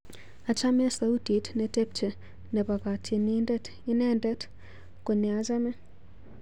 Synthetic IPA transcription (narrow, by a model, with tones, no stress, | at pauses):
a˨t͡ʃa˦mɛ˦sa˦u˦ti˨tnɛ˨te˦p̚t͡ʃe˨ | nɛ˨pa˨ka˨tʰi˨ni˦ndɛ˦t | i˦nɛ˦ndɛ˦t | ko˨ni˨a˨za˦mɛ˦